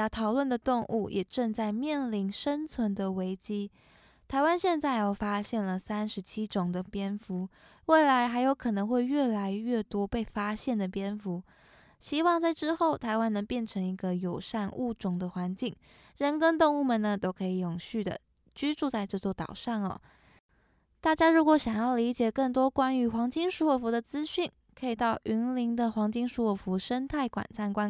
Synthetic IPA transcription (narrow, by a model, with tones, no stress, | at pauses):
t̪ʰɑ˨˩ʊlwə˥˩nd̪ə˩t̪ʊ˥˧ŋʔṵ˥˩jʔɛ˨˩ʈ͡ʂɤ˥˧ŋt͡sa˥˧ɪmjɛ˥˩nli˧˥nʂə˥nt͡sʰwə˧˥nd̪ə˨we˧˥ɪt͡ɕi˥ | t̪ʰa˧˥ɪwa˥nɕjɛ˥˧nt͡sa˥˩ɪə˨˩fa˥ɕjɛ˥˩nlə˩sa˥nʂɻ̩˧˥t͡ɕʰi˥ʈ͡ʂʊ˨˩ŋd̪ə˦pjɛ˥nfu˧˥ | we˥˩ɪla˧˥ɪxa˧˥ɪjo˧˥ʊkʰɤ˨˩nɤ˧˥ŋxwe˥˧ɪɥɛ˥˩la˧˥ɪɥɛ˥˩t̪wɔ˥pe˥˩ɪfa˥ɕjɛ˥˩nd̪ə˩pjɛ˥nfu˧˥ | ɕi˥wɑ˥˧ŋt͡sa˥˧ɪʈ͡ʂɻ̩˥xo˥˩ʊt̪ʰa˧˥ɪwa˥nɤ˧˥ŋpjɛ˥˩nʈ͡ʂʰɤ˧˥ŋi˧˥ɡə˧jo˨˩ʊʂa˥˧nṵ˥˩ʈ͡ʂʊ˨˩ŋd̪ə˦xwa˧˥nt͡ɕi˥˩ŋ | ɻə˧˥nkə˥ŋt̪ʊ˥˧ŋu˥˩mə˨˩nə˩t̪o˥ʊkʰɤ˧˥i˧˩jʊ˨˩ŋɕy˥˩d̪ə̰˩ | t͡ɕy˥ʈ͡ʂu˥˧t͡sa˥˧ɪʈ͡ʂɤ˥˧t͡swɔ˥˩t̪ɑ̰˨˩ʊʂɑ˥˩nɔ̰˩ | t̪a˥˩t͡ɕja˥ɻu˧˥kwɔ˧˥ɕjɑ˨˩ŋjɑ˥˩ʊli˧˥t͡ɕjɛ˨˩kɤ˥˩ŋt̪wɔ˥kwa˥ny˧˥xwɑ˧˥ŋt͡ɕi˥ŋʂu˧˥wɔ˨˩fu˧˥d̪ə˧t͡sɹ̩˥ɕy˥˩n | kʰɤ˧˥i˨˩t̪ɑ˥˩ʊʔy˧˥nli˧˥ŋd̪ə˧xwɑ˧˥ŋt͡ɕi˥ŋʂu˧˥wɔ˨˩fu˧˥ʂə˥nt̪ʰa˥˩ɪkwa̰˨˩nt͡sʰa˥˧nkwa˥